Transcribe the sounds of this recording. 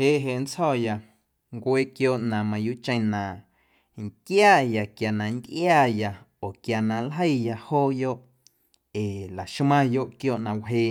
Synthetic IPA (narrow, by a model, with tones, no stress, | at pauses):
heː˧˨ʔɦe˧˨n˦t͡shɔ˦˨ja˨ | ŋkʷeː˦˨kjoː˦˨ʔnã˨mã˨juː˦t͡ʃə̃˧˦nã˨ | ŋkjaː˦˨ja˨kja˨nã˨nd̪ʔjaː˧˨ja˧˨ | o˨kja˨nã˨lɦə˦jja˧hoː˦˨jo˦ʔ | e˨la˨ʃmã˦jo˧ʔkjoː˧˨ʔnã˨wɦeː˧˨